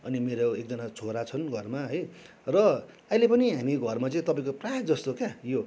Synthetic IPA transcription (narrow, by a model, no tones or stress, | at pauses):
ʌnimeɾoek̚d͡zʌnat͡sʰoɾat͡sʰʌnɡʱʌrmaɦʌj | rʌ | ʌilepʌniɦamiɡʱʌrmat͡sʌĩt̪ʌpãĩkoprajʌd͡zʌst̪okjajo